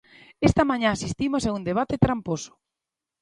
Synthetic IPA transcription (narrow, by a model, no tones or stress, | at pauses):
est̪amãɲãasist̪imosaund̪eβ̞at̪et̪ɾamposo̥